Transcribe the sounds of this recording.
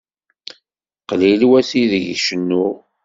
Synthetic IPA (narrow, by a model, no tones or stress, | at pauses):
qlilwæsiðʝʃənːʊ